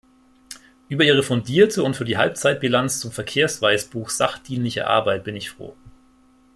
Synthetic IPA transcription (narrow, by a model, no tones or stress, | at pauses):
ʔyːbɐʔiːʁ̞əfɔndiːɐtʰəʊntfyːɐdiːɦa̰lp̚t͡saɪt̚b̥ilant͡st͡sʊmfɛɐkʰeːɐsv̥aɪsb̥uːxz̥a̰χd̥iːnlɪçɐ̰ʔa̰ɐbaɪt̚b̥ɪnɪçfʁ̥o̰ː